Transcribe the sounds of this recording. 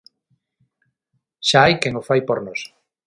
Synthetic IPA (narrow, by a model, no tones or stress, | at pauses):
ʃaajkeŋofajpoɾnos